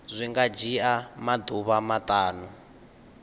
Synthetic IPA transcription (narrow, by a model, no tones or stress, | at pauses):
zʷiŋɡad͡ʒiamad̪uβamatʼaːnu